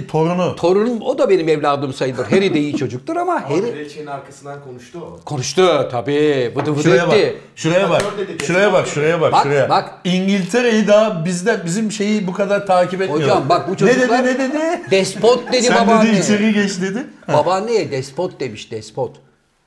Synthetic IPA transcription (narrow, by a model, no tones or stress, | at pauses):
t̪ʰo̞ɾunut̪ʰo̞ɾunumod̪abe̞nimɛvlʲaːd̪ɯmsajɯlˠɯɾɦeɾid̪ejit͡ʃʰo̞d͡ʒuk̚lˠɯɾamaheɾiet͡ʃeinaɾkʰasɯnd̪ankʰonuʃt̪ukʰo̞nuʃt̪ut̪ʰabiːbɯd̪ɯfɯd̪ei | ʃuɾejabaɾʃuɾajabakʃuɾejabakbʃakuɾajabak | iɲɟilʲt̪ʰeɾejid̪abizd̪ɛbizimʃe̞jibukʰad̪aɾt̪ʰaːcʰipɛt̪homjd͡ʒambak̚but͡ʃʰoɛud̪elˠinɛd̪ed̪id̪ɛspot̪̚d̪e̞d̪ibad̪ad̪iit͡ʃeɾiɟɛt͡ʃd̪ed̪ibabanejɛd̪ɛspot̪̚d̪e̞miʃd̪ɛspʰot̪